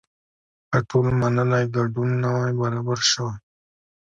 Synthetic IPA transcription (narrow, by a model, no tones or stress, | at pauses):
paʈʰolmanəlajɡaɖunːawajbaɾabaɾʃəwaj